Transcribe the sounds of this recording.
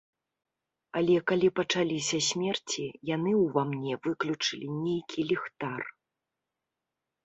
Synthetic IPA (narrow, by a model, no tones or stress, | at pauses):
ɐlʲɛkalʲipɐt͡ʂalʲisʲɐsʲmʲɛrt͡sʲijanɨwvamnʲɛvɨklʲut͡ʂɨlʲinʲejkʲʰilʲixt̪ar